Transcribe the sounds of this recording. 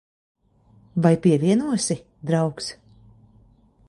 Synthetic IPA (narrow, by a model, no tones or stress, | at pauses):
vajpiɛvʲiɛnuɔsi | d̪ɾawks